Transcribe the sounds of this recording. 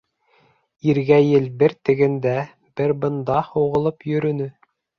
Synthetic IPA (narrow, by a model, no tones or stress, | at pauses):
iɾɡæjɘlbɘɾt̪ɘ̆ɡɘ̆nd̪æ | b̥ɘɾbɤ̆nd̪ɑhuʁɤ̆lˠɤpjɵ̆ɾɵ̆nɵ